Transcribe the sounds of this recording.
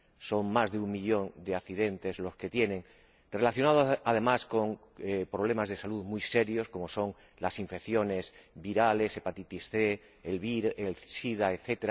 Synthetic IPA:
so̞ŋmazðeuŋmiʎo̞nd̪eaθiðe̞nt̪e̞zlo̞ske̞t̪je̞nẽ̞ŋ | re̞laθjonaðoað̞e̞masko̞ŋ | epɾo̞β̞le̞mazðe̞saluðmujse̞ɾjo̞sko̞mo̞so̞ŋ | lasiɱfe̞kθjo̞ne̞sβiɾale̞sepat̪it̪isθe | elβiɾelsiðaeθet̪eɾa

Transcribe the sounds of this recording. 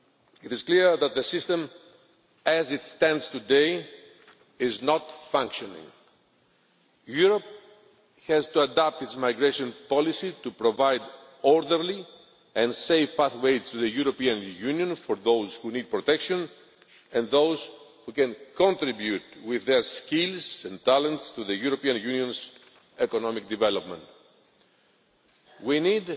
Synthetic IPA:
it̪izkliɹðɐt̪̚ðəsist̪ẽm | æzit̪st̪ɛ̃ndz̥t̪ud̪ej | iznɔt̪fãŋkʃonḭ̃ŋ | juɾop̚ | hɛzt̪uad̪ap̚t̪itsmajɡɾeʃõnpɔlisit̪upɾovajd̪ | oɾd̪əɾli | ẽnsejvpaθwejtst̪uðəjuɾopiɐ̃njuniõnfoɾðowz̥hunid̪̚pɾot̪ekʃõn | ẽnðowz̥hukɛ̃nkõnt̪ɾibjut̪wiðːeskilzẽnt̪alẽnt̪st̪uðejuɾopiɐ̃njuniõnz | ekonomikd̪ivelopmẽnt̪ | winid̪

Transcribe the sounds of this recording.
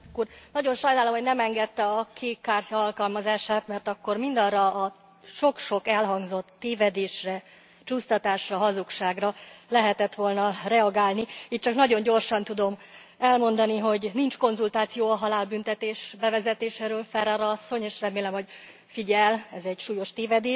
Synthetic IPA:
kurnɒɟo̞nʃɒjnaːlomɦo̞ɟnɛmɛŋɡɛt̪ːɛɒkʰeːkːaːrcɒɒlkɒlmɒzaːʃaːt̪mɛrt̪ɒkːo̞rmind̪ɒrɒː | ʃo̞kʃo̞kɛlɦɒŋɡzo̞t̪ːeːvɛd̪eːʃrɛ | t͡ʃuːst̪ɒt̪aːʃrɒɦɒzukʃaːɡrɒlɛɦɛt̪ɛt̪ʋo̞lnɒrɛɒɡaːlniiːt̪̚t͡ʃɒknɒɟo̞ɲɟo̞rʃɒnt̪ud̪o̞m | ɛlmo̞nd̪ɒniɦo̞ɟnint͡ʃko̞nzult̪aːt̪sijoːɒɦɒlaːlbynt̪ɛt̪eːʃbɛvɛzɛt̪eːʃeːɾøːlfɛɾɛɾɒsːo̞ɲeːʃrɛmeːlɛmho̞ɟ | fiɟɛlɛzɛɟʃuːjo̞ʃt̪eːvɛd̪eːʃ

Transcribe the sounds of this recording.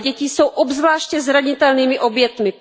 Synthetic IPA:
ɟɛcɪso̞wʔobzvlaːʃcɛzɾaɲɪt̪ɛlniːmɪʔo̞bjɛt̪mɪ

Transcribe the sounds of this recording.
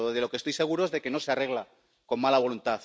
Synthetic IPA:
ðelo̞kest̪ojse̞ɣuɾoe̞zðe̞ke̞no̞seare̞ɣ̞la | ko̞mmalaβo̞lunt̪aθ

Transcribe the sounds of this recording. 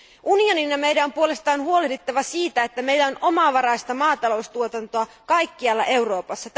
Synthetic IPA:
ʔunioninːɑme̞jdæo̞mpuo̞le̞st̪ɑːnhuo̞le̞hdet̪ːɑʋɑsiːt̪æet̪ːæme̞ilːæo̞no̞mɑʋɑɾɑjst̪ɑmɑːt̪ɑlo̞ust̪uot̪ɑnt̪oɑ | kɑjkːiɑlːɑ̰ʔe̞wɾo̞ːpɑsːɑt̪

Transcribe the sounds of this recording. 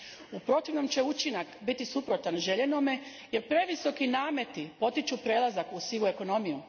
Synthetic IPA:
upɾo̞t̪iʋno̞mt͡ɕe̞ut͡ʃinakbit̪isupɾo̞t̪anʒe̞ʎenome̞ | je̞ɾpɾe̞ʋiso̞kinaːme̞t̪ipo̞t̪it͡ʃupɾe̞lˠazakusilue̞ko̞no̞miju

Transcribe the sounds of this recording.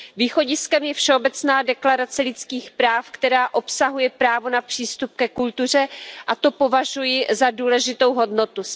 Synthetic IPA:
viːxo̞ɟɪskɛmjɛfʃɛobɛt͡snaːdɛklaɾat͡sɛlɪt͡skiːxpɾaːfkt̪ɛɾaːʔo̞psaɦujɛpɾaːvonapr̝̥iːst̪up̚kɛkult̪ur̝ɛʔat̪o̞po̞vaʒujɪzaduːlɛʒɪt̪o̞wɦo̞dno̞t̪u

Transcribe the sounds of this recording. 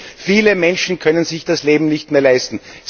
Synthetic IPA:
fiːləmɛnʃn̩kʰœnənzɪçd̥asleːbm̩nɪçtmeːɐlaɪstn̩s

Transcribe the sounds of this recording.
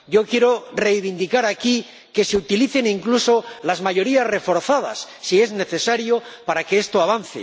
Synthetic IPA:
ɟ͡ʝo̞kje̞ɾo̞re̞jβind̪ikaɾaki | ke̞se̞ut̪iliθe̞niŋkluso̞lazmaʝo̞ɾiazre̞fo̞ɾθað̞a̰sːie̞zne̞θe̞saɾjo̞paɾakeest̪oaβ̞an̟θḛ

